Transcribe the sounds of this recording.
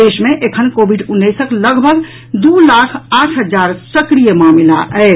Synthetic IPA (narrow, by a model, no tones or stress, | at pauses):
eːʃmẽʔekʰənkoːbʱiɖʊnːəsəkləɡbʱəɡ | d̪uːlaːkʰaːʈʰɦəd͡ʒaːɾsəkɾijəmaːmilaʔɛɪ